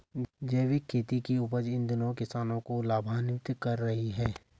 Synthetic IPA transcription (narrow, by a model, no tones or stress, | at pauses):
d͡ʒeːʋɪkʰːeːt̪ikiʊpəd͡ʒɪ̃nd̪ɪnoːkɪsaːnõkolaːbʱaːnɪkt̪kɐɾːɐɦiɦɛː